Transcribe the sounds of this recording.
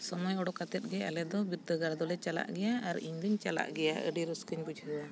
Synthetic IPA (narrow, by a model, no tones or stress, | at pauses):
sɔmɔjɔɽɔkat̪ɛt̪̚ɡɛalɛd̪ɔbit̪ːəɡaɾd̪ɔlɛt͡ʃala̰ʔɡɛjaaɾḭɲd̪əɲt͡ʃala̰ʔɡɛja̰ə̰ɖiɾuskəɲbud͡ʒɦəwa